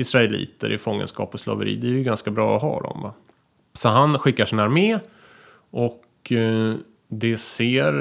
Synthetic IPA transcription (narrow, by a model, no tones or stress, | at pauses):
ɪsɾaɛlḭːt̪əɾʔɪfɔŋːə̰nskɑ̰ːpɔslɑ̰ːvəɾḭːd̪ɛæɾjʏɡanskabɾɑːɔɦɑ̰ːd̪ɔ̰mva | sɔɦanɧɪkːaʂɪnaɾmeː | ʔɔk | d̪ɛseːɾ